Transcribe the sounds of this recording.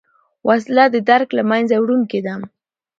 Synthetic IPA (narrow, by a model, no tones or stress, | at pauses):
wʔaslad̪əd̪aɾklamajnzawɽunked̪am